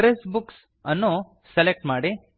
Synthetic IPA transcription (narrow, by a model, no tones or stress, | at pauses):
ɾesbuks | ɐnːu | selek̚ʈmaːɽi